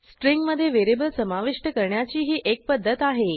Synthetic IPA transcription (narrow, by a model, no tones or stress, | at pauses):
sʈɾiŋɡməd̪ʱːjeʋeɾibəlsəmaʋiʂʈəkəɾɳjat͡ɕiːɦiːʔek̚pəd̪ʱːət̪aɦe